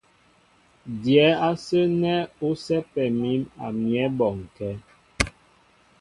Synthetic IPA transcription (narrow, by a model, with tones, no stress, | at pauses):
djɛ˨˦a˦sə˦nɛ˦o˦sɛ˦pɛ˨mi˨˦ma̰˨mjɛ˨˦bɔ˨ŋ˨kɛ˨˦